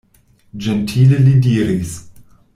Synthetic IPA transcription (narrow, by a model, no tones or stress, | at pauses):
d͡ʒentʰiːlelidiːɾis